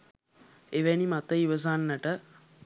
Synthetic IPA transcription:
eʋænimat̪əiʋəs̬anːəʈə

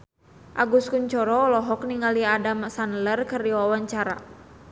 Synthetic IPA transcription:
ʔaɡuskuɲt͡ʃɔɾɔlɔɦɔk̚niŋaliadamsanlərkərijɔwawaɲt͡ʃaɾa̰

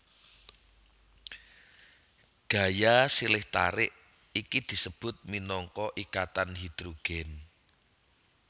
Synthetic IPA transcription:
ɡ̥ä̤jasilɪht̪a̰ɾɪʔ | ikid̪̥i̤səb̥ʊ̤t̪̚minɔŋkɔʔikat̪anɦid̪̥ɾoɡ̥ɛn

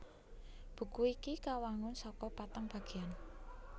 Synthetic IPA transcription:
b̥ṳkuikikawaŋʊnsɔkɔpat̪aŋb̥a̤ɡ̥e̤an

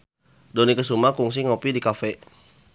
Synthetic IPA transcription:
donikəsumakuŋs̬iŋopidikafɛ

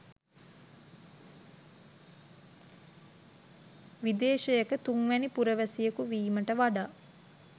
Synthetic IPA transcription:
ʋid̪eːʃejəkət̪uŋʋænipuɾəʋəsijəkuʋiːməʈəʋaɖaː

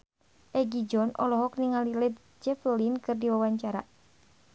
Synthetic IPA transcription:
ʔɛɡid͡ʒɔnʔɔ̰lɔɦɔk̚niŋalilɛt̪̚ | d͡ʒɛfəlinkɨrdiwawaɲt͡ʃaɾa

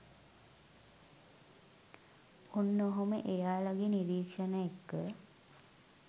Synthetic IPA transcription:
unːoɦomə̰ʔejaːlaɡiniɾiːkʂənəjekːə

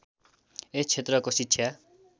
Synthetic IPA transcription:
et͡sʰet̪rʌkositsʰja

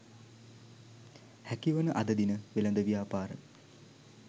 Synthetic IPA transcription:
hækiʋənəʔad̪əd̪inəʋelɐnd̪əʋijaːpaːɾə

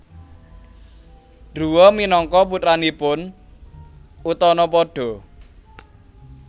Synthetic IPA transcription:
ɖ̥uwɔminɔŋkɔp̬ut̪ɾanipʊn | ut̪ɔnɔpɔɖ̥ɔ̤

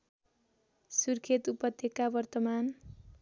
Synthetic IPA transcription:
surkʰet̪upʌt̪ʰːekabʌrt̪ʌman

